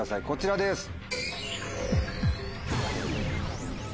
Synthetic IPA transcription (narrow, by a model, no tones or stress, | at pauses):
asaiko̞t͡ɕiɾad̪esɨ̥